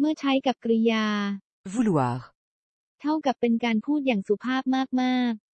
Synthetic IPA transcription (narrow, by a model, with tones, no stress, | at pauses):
mɯ˥˩ɐt͡ɕʰa˦˥jka˨˩p̚kɾi˧jaː˧ | vu˦˥lu˨a˨˦x | t̪ʰa˥˩wka˨˩pːe˧nkaː˧npʰuː˥˩t̪̚jaː˨˩ŋsu˨˩˦pʰaː˥˩p̚maː˥˩k̚maː˥˩k̚